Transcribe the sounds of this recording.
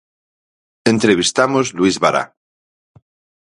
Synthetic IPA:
ent̪ɾeβist̪amozluizβaɾa̰

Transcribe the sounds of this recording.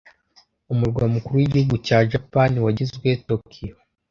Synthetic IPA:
umuɾɡwamukuɾuwiɟihuɡucaːʒapaniwaɟizɡwe̞tokʰijo

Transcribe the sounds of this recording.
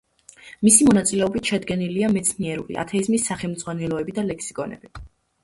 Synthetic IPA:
misimɔnat̪sʼilɛɔbit̪ʃɛd̪ɡɛniliamɛt̪sʰniɛɾṵlḭʔa̰t̪ʰɛizmisːaχɛlˠmd̪z̥ʁwanɛlɔɛbid̪alɛksikʼɔnɛ̰b̥i

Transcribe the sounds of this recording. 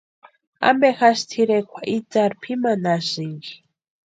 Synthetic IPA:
a̰mbɛxaʃt̪ʰiɾɛkʰʷwaʔit͡saɾpʰimanaziŋɡi

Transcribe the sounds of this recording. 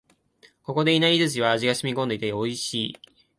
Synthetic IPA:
ko̞ko̞d̪e̞inaizɨt͡ɕiβaːʑiɡaɕimʲikõ̞nd̪e̞it̪eoiɕiː

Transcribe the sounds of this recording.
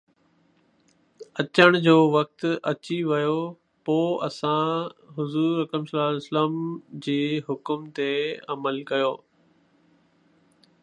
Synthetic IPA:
ɐt͡ɕəɽ̃d͡ʑoːʋɐk̚t̪ɐt͡ɕiʋɐjo | poːɐsãɦʊzuːɾɐkəmsɐlaːsləmd͡ʑeːɦʊkʊmt̪eɐməlkɐjoː

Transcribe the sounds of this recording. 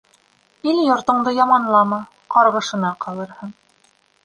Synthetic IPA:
iljŏɾt̪ŏɴd̪ɤjɑmɑnlˠɑmɑ | qɑɾʁɤ̆ʃɤ̆nɑqɑlˠɤ̆ɾhɤɴ

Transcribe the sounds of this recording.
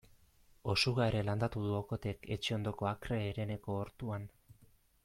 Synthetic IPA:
o̞suɣaeɾeland̪at̪uðuoko̞t̪e̞ke̞t͡ʃeo̞nd̪o̞ko̞akɾe̞ːɾe̞ne̞ko̞ːɾt̪uan

